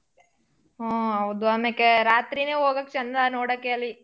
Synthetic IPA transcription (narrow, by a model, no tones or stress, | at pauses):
oɦɐwd̪uʋaːmeːkːeɾaːt̪ɾineːɦoːɡɐkːet͡ʃɐnːd̪anoːɽokːeɐlːi